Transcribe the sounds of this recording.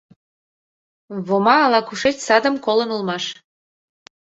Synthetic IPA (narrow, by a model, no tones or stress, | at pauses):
βomɑːlɑkuʃet͡ɕsɑd̪əmkolənulmɑʃ